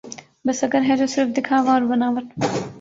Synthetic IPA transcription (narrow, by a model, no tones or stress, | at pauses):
bɐsɐɡəɾɦɛd͡ʒoːsɪɾfd̪ɪkʰaːʋaɔːɾbɐnaːʋət̪